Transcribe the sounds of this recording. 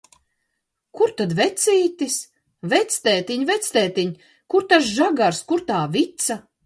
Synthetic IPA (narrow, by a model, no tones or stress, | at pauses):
kuɾt̪ad̪vɛt̪sʲiːt̪is | vɛt̪sʲt̪ɛːt̪iɲvɛt̪sʲt̪ɛːt̪iɲʲ | kuɾt̪as̬ʒaɡaɾskuɾt̪aːvit̪sa